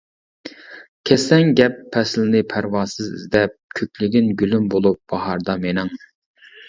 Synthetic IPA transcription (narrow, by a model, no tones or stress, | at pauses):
kʲʰɛsɛŋɡʲɛpʰːɛslɪnɪpʰæɾwɑːsɨzɪ̰zd̪ɛp̚kʲʰøkʲlɪɡʲinɡʲylymbolˠup̚b̥ɑhɑɾd̪ɑmenɪŋ